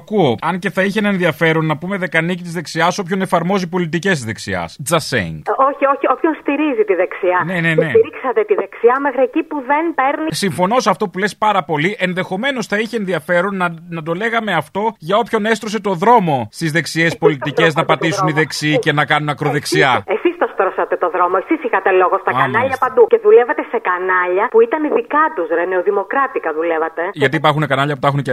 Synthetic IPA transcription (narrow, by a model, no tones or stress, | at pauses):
kuo̞ɐnce̞θɐiçenɐenðiɐfe̞ɾo̞nːɐpume̞ðe̞kɐnicit̪izðe̞ksiɐso̞pço̞ne̞fɐɾmo̞zipo̞lit̪ice̞st̪zðe̞ksḭɐ̰sd͡zɐsḛḭŋɡo̞çioçio̞pçonst̪iɾizit̪iðeksiɐne̞nene̞iɾiksɐt̪et̪iðeksiɐmexɾiecipuðenpe̞ɾnisiɱfo̞no̞sɐft̪o̞pule̞spɐɾɐpo̞liʔe̞nðe̞xo̞me̞no̞sθɐiçenðiɐfe̞ɾo̞nɐnɐt̪o̞le̞ɣɐme̞ɐft̪o̞ʝɐo̞pço̞ne̞st̪ɾo̞s̬e̞t̪o̞ðɾo̞mo̞st̪izðe̞ksie̞spo̞lit̪ice̞znɐpɐt̪isuniðe̞ksiice̞nɐkɐnunɐkɾo̞ðeksiɐesist̪ɐst̪ɾosɐt̪e̞t̪o̞ðɾo̞moesisixɐt̪e̞lo̞ɣost̪ɐknɐʎɐpɐnd̪uce̞ðulevɐt̪e̞se̞kɐnɐʎɐpuit̪ɐniðikɐt̪uzɾeneoðimo̞kɾɐt̪ikɐðulevɐt̪e̞ʝɐt̪iːpɐɾxunekɐnɐʎɐput̪ɐxunce